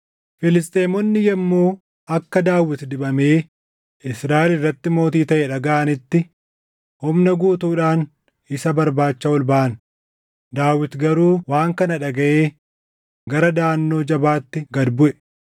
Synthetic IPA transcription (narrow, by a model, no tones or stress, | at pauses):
fɪlɪst̪ʼeːmɔnːɪjɛmːoː | ʔɐkːɐd̪aːwːɪt̪d̪ɪbɐme̞ː | ɪsɾaːʔɪlɪrːɐt̪ːɪmo̞ːt̪iːt̪ɐʔɛᶑɐɡaʔɐnɪt̪ːɪ | hʊmnɐɡuːt̪uːᶑaːn | ɪsɐbɐɾbaːt͡ʃːɐwɔlbaʔɐn | d̪aːwɪt̪ɡɐɾuːwaːŋkɐnɐᶑɐɡɐʔeː | ɡɐɾɐd̪aːnːo̞ːd͡ʒɐbaːt̪ːɪɡɐd̪bʊʔɛ